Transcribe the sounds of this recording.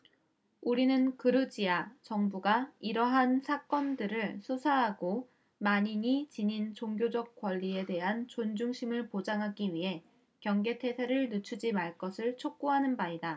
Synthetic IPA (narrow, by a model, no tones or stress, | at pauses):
uɾinɯnkɯɾɯd͡ʑiat͡ɕʌŋbuɡaiɾʌɦansʰak͈ʌndɯɾɯɭsʰusʰaɦaɡo | maɲiɲit͡ɕiɲint͡ɕoŋɡjod͡ʑʌk̚k͈wʌʎːie̞de̞ɦant͡ɕond͡ʑuŋɕʰimɯɭpod͡ʑaŋɦaɡiɥiɦe̞ | kjʌŋɡe̞tʰe̞sʰeɾɯɭnɯt͡ɕʰud͡ʑimaɭk͈ʌsʰɯɭt͡ɕʰok̚k͈oɦanɯnbaida